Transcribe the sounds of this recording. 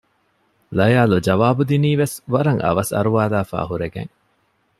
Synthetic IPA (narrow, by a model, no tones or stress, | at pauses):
lɐjaːlud͡ʒɐʋaːbud̪iniːʋesʋɐɾɐŋʔɐ̰ʋɐsɐ̰ɾuʋaːlaːfa̰ːhuɾeɡḛŋ